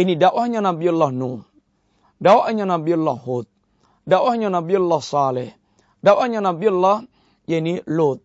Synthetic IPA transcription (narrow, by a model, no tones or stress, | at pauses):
inidaʔwʔahɲanabialːahnu | dawaʔɲanabialːahhut̪̚ | dawahɲanabialːahsalɛh | dawahɲanabialːah | janilut̪̚